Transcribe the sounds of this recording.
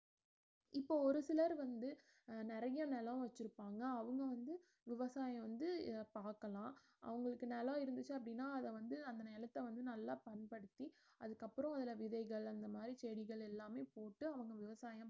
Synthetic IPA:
ɪpːoːɔɾɯsɪlɐɾʋɐnd̪ɯ | nɪɾɐjɐnɛlɐ̃ʋɐt͡ʃːɪɾɯpːaːŋɡɐːʋɐŋɡɐʋɐnd̪ɯ | ʋɪʋɐsaːjɐ̃ʋɐnd̪ɯpaːɾkɐlãː | ʔɐ̰ʋɐŋɡɐɭɯkːɯnɛlãːɪɾɯnd̪ɯt͡ʃːɯɐpːɐɽɪnːaːɐðɐʋɐnd̪ɯɐnd̪ɐnɛlɐt̪ːɛʋɐnd̪ɯnɐlːaːpɐnpɐɽɯt̪ːi | ɐðɯkːɐpːɯɾɐ̃ɐðɪlɐʋɪðɐɪɣɐɭɐnd̪ɐmaːd̪ɾit͡ʃɛːɽɪɣɐɭɛlːaːmeːpoːʈːɯɐʋɐŋɡɐʋɪʋɐsaːjɐ̃m

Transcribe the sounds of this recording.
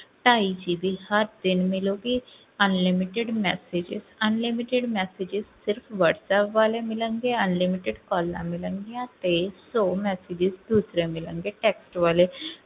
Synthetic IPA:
ʈaid͡ʑibihaɾd̪inmiloɡi | ənlimiʈeɽmɛsed͡ʑḭzənlimiʈeɽmɛsed͡ʑizsiɾfʋəɽsɛpʋalemilə̃ŋɡeənlimiʈeɽkɔlːa̰milə̃ŋɡijãt̪esomɛsed͡ʑizd̪usɾemilə̃ŋɡeʈeksʈʋale

